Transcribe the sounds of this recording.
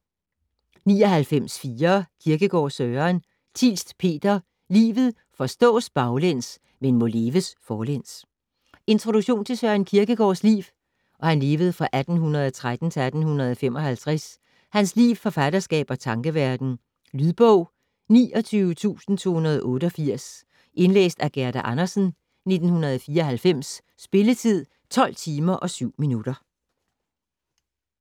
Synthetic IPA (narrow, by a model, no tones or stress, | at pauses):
niːɒ̽hælfem̰sfiːɐkʰiɐɡ̥əɡ̥ɒ̰ːsøːɐn | t͡sʰḭlsd̥pʰe̝̰ːd̥ɐ | lḭːʋð̩ˠ | fɒ̽sd̥ɔ̰̽ːsb̥ɑ̈ʊlen̰s | menmɔ̽le̝ːʋəsfɒːlen̰s | e̝nt͡sʰʁo̝ɾ̥u̥ɕo̝̰ːnt͡sʰe̝sœɐnkʰiɐɡ̥əɡ̥ɒ̰ːslḭːʋ | ʔɒ̽hænle̝ːʋəð̞̩ˠfʁɑ̈ʔæd̥n̩ɦunɐð̞ˠɒt͡sʰʁad̥n̩t͡sʰe̝æd̥n̩hunɐð̞ˠɒfem̰ɒ̽hælt͡sʰʁas | hænslḭːfɒ̽fæd̥ɐsɡ̥ɛ̰ːb̥ɒ̽t͡sʰɑ̈ŋɡ̥əʋæɐd̥n̩ | lyðˠb̥ɔʊ̰ | nḭːɒ̽t͡sʰyːʊət͡sʰṵːsn̩t͡sʰo̝̰ːhunɐð̞ˠʔɔ̽ːɾəɒ̽fiɐ̰s | ʔe̝nlḛːsd̥æɡ̥æɐd̥æʔɑnɐsn̩ | ne̝d̥n̩hunɐð̞̩ˠɒfiːɐɒ̽hælfem̰sː | b̥e̝lət͡sʰið̰ˠ | t͡sʰɒ̽l̰t͡sʰiːmɐʔɒ̽syʊ̰minud̥ɐ